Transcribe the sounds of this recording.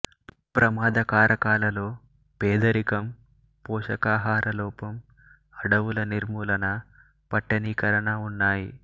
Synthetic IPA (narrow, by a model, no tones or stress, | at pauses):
pɾɐmaːd̪ɐkaːɾɐkaːlɐlo̞ː | peːd̪ɐɾikɐm | pɔːʂɐkaːɦaːɾʔɐlɔːpɐm | ɐɽɐʋulɐniɾmuːlɐnɐ | pɐʈːɐniːkɐɾɐnɐunːaːji